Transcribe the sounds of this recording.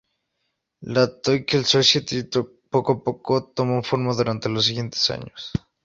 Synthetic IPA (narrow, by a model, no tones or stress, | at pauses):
lat̪ojkelsosjet̪it̪o | pokoapo̞kot̪omofoɾmaðuɾant̪elos̬ːiɣje̞nt̪e̥sa̰ɲos